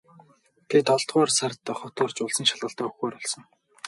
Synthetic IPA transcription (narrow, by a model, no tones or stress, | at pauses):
ɡ̥et̪ɔɮt̪ɢɔːrsart̪əχɔt̪ʊːrt͡ɕʊɮsə̆ŋʃaɮʁə̆ɬt̪aːɵxeːɾɔɮsɞ̆ŋ